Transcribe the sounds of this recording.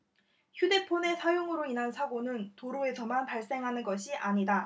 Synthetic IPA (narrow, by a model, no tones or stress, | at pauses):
çjude̞pʰone̞sʰajoŋɯɾoinɦansʰaɡonɯntoɾoe̞sʰʌmanpaɭs͈e̞ŋɦanɯnɡʌɕʰiʔaɲida